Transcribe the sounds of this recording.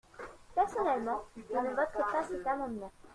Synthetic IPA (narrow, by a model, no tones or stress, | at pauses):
pɛʁsɔnɛlmɑ̃vũnəvɔt̪χepasɛt̪amɑ̃d̪mɑ̃